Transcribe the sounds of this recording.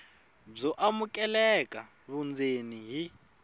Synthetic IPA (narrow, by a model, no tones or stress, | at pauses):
b͡ʐɔʔamukʼɛlɛkʼa | βund͡zeniɦi